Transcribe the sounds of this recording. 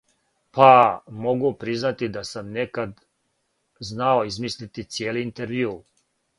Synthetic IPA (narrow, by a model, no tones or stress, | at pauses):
pamo̞ɡupɾiznat̪id̪asamnekad̪ | znaoizmislit̪it̪sjeːliːnt̪eɾʋjuː